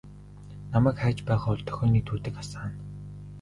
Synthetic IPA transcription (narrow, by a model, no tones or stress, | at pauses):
namæːkχæːt͡ɕpæːʁaːʊɮt̪ʰœ̥xʲɔːniːt̪ʰuːt̪ɘ̆kasaːn